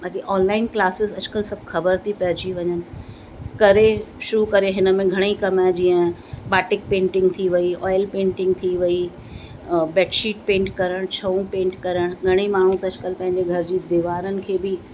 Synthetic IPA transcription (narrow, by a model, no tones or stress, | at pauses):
baːkiʔɔːnlaːɪnklaːsɪzɐd͡ʑkəlsɐbʱxɐbəɾt̪ʰipɐɦd͡ʑiʋɐɲənɪ̆ | kɐɾeʃʊɾukɐɾeɦɪnə̆mẽɡʱɐɽ̃ikɐmãd͡ʑiːə̃baːʈɪk̚pẽːɳʈɪ̃ŋɡt̪ʰiʋɐiɔːɪlpẽːɳʈɪ̃ŋɡt̪ʰiʋɐi | bɛːʈʃiːʈ̚pẽːɳʈkɐɾəɽ̃t͡ɕʰɐũpẽːɳʈkɐɾəɽ̃ɡʱɐɽ̃imaːɳ̤ũt̪ɐɐd͡ʑkəlpɐ̃ɦɪ̃ɲd͡ʑeɡʱɐɾd͡ʑiːd̪ɪʋaːɾənɪ̆kʰeːbɪ